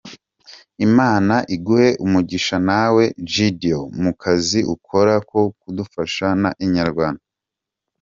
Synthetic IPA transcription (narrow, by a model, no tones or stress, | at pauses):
imaːnaʔiɡuhe̞ʔumuɟiʃanawe̞d͡ʒidiomukʰaziʔukʰo̞ɾako̞kudufaʃanaʔiɲaɾɡwaːnda